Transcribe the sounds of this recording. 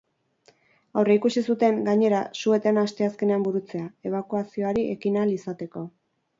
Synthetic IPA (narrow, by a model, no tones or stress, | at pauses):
awreikusisut̪e̞ŋɡaɲe̞ɾasue̞t̪enast̪e̞aske̞ne̞ambuɾut͡se̞ae̞β̞akuasio̞aɾiʔe̞kinalisat̪e̞ko̞